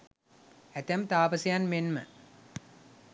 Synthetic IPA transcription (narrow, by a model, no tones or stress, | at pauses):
æt̪æmt̪aːpəsəjanmenmə